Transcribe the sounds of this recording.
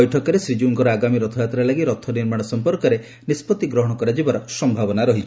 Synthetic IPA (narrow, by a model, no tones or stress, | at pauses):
jʈʰɔkɔɾesɾid͡ʒuŋkɔɾɔaɡamiɾɔt̪ʰɔjat̪ɾalaɡiɾɔt̪ʰːɔniɾmaɽ̃ɔsɔmpɔɾkɔɾe | nispɔt̪iɡɾɔɦɔɽ̃ɔkɔɾad͡ʒibaɾɔsɔmbʱabɔnaɾɔɦit͡ʃʰ